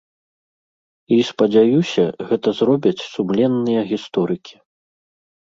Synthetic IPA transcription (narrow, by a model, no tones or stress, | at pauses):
ispɐd͡zʲajusʲɐɣɛt̪ɐzrɔbʲɐt͡sʲsumlʲɛnːɨjɐɣʲist̪ɔɾɨkʲi̥